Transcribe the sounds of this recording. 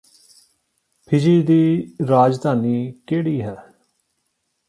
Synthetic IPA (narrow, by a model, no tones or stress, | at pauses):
pʰɪd͡ʒiːd̪iːɾaːd͡ʒd̪aːniːkeːɽiːɦɛː